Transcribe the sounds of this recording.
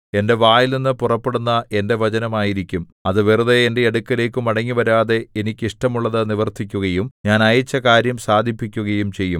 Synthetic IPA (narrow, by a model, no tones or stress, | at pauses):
e̞nde̞ʋaːjilninːɨpurɐpːe̞ɽunːɐʔe̞nde̞ʋɐt͡ɕɐnɐmaːjiɾikʲːum | ɐðɨʋiruðeende̞eɽukːɐle̞ːkːɨmɐɽɐŋːiʋɐɾaːðe̞enikʲːiʂʈɐmuɭːɐðɨniʋɐrt̪ʰikʲːuɣɐjumɲaːnɐjɐt͡ɕːɐkaːɾjɐmsaːd̪ʱipːikʲːuɣɐjumt͡ɕe̞jːum